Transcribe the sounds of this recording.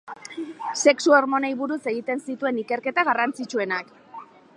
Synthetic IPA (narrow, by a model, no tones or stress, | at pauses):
se̞ksuo̞ɾmo̞nejβuɾuse̞ɣ̞it̪e̞nsit̪ue̞nike̞ɾke̞t̪aɣ̞arant͡sit͡ʃue̞nak